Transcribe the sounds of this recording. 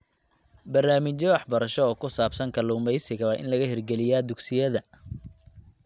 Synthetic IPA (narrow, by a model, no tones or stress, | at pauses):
bɐrnaːmɪt͡ʃɔwɑħbɐɾɐʃɔːkʰʊsaːbsɐŋkʰɐluːmɛjsɪɣɐβɐʔɪ̰nlɐɣɐhɪrɡɛlɪjaːd̪ʊɡsɪjɐðɐ